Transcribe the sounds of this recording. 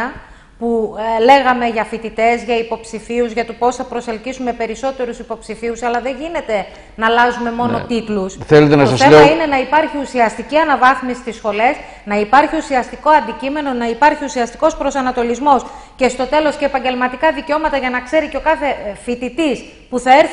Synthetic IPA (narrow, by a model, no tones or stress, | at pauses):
ɐ | pule̞ɣɐme̞ʝɐfit̪it̪e̞zʝɐipo̞psifiuzʝɐt̪upo̞sθɐpɾoselcisume̞pe̞ɾiso̞t̪e̞ɾusipo̞psifiusɐlɐðe̞ɲʝine̞t̪e̞ | nɐlɐzume̞mo̞no̞t̪it̪lusθelet̪enɐtosɐsθelemɐine̞nɐipɐɾçiusiɐst̪iciɐnɐvɐθmisist̪isxo̞le̞s | nɐipɐɾçiusiɐst̪iko̞ɐnd̪icime̞no̞nɐipɐɾçiusiɐst̪i̥ko̞spɾo̞sɐnɐt̪o̞lizmo̞s | ce̞st̪o̞t̪e̞lo̞sce̞ːpɐɲɟe̞lmɐt̪ikɐðiceo̞mɐt̪ɐʝɐnɐkse̞ɾiceo̞kɐθe̞fit̪it̪is | puθɐe̞ɾθ